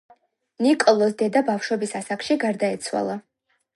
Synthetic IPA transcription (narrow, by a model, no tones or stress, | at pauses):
nikʼɔlˠɔsd̪ɛd̪abafʃwɔbisasakʃiɡaɾd̪aɛt̪sʰwa̰lˠa